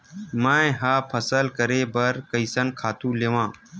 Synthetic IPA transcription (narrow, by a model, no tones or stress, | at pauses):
mãːɦaːpʰəsəlkəɾeːbəɾkəɪsənkʰaːt̪ũːleːʋãː